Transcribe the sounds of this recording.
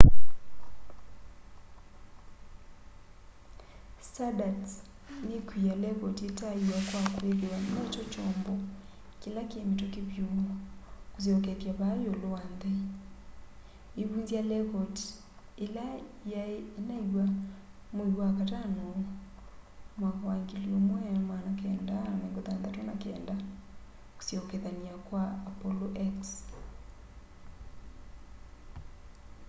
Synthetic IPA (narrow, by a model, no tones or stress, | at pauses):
sadat | nekwijalɛkɔtetaiwakwakwelewanɛt͡ʃɔt͡ʃɔmbɔ | kelakeemetɔkeβjumakuzɔk̬ɛtjaβajɔlandɛ | eβunzjalɛkɔt | elajaeːnaiwa | moiwakatano | maɣwaŋɡeliomwɛamanakɛːndaneŋɡoðaːndatwanakɛ̰ːnda | ko̥sjɔkɛðaniakwaːpoloʔɛks